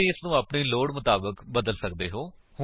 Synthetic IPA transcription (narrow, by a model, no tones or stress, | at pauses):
iːɪsnũːaːpɳiːloːɽmʊt̪aːbəkbəd̪əlsəkd̪eːɦoː | hʊ